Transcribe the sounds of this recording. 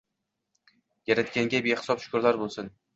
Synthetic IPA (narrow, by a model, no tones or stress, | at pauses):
jaɾat̪̚kʲaŋɡʲabehɪ̥sɒpʃʊ̥kʊɾlaɾbolˠsɪn